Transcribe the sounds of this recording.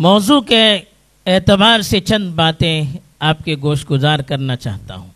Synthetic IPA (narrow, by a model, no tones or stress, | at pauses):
mɔːzuːke | eːt̪ɪbaːɾset͡ʃɐ̃nd̪baːt̪ẽ | aːp̚keɡoːʃt̪̚ɡʊzaːɾkɐɾnat͡ʃa̰ːɦt̪a̰ɦũː